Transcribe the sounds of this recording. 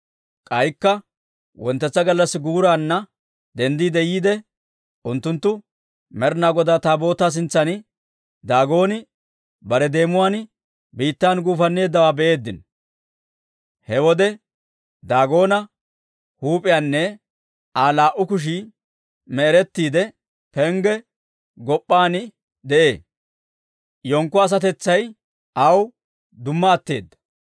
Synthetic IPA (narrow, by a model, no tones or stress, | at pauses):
kʼɐjkːɐ | wɔnt̪ːɛt͡sːɐɡɐlːɐsɡuːɾaːnːɐ | d̪ɛnd̪iːd̪ɛjiːd̪ɛ | ʔʊnt̪ːʊnt̪ːʊ | mɛɾnaːɡɔd̪aːt̪aːbo̞ːt̪ːaːs̬ɪnt͡sːɐn | d̪aːɡo̞ːnɪ | bɐɾɛd̪e̞ːmʊwaːn | biːt̪ːaːnɡuːfɐnːe̞ːd̪ːɐwaːbɛʔe̞ːd̪ːɪn | hɛwɔd̪ɛ | d̪aːɡo̞ːnɐ | huːpʼɪjaːnːɛ | aːlaːʔʊkʊʃ̬i | mɛɛɾɛt̪ːiːd̪ɛ | pɛŋɡɛ | ɡɔpʼːaːnɪ | d̪ɛʔe̞ː | jɔŋkːɔɐs̬ɐt̪ɛt͡sːɐj | ʔɐw | d̪ʊmːɐːt̪ːe̞̰ːd̪ːɐ̥